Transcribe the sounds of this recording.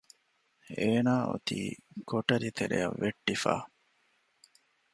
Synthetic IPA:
eːnaːʔo̰t̪iːkoʈɐɾit̪eɾḛjɐʋːeʈːifa̰ː

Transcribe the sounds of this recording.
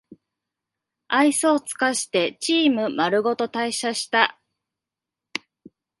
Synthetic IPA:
aisoːt͡sɨ̥kaɕi̥t̪e̞t͡ɕiːmɯ̟maɾɯ̟ɡo̞t̪o̞t̪aiɕaɕi̥t̪a

